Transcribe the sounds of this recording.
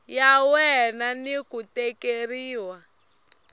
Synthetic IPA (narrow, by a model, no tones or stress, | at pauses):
jawɛnanikutɛkeɾiːwa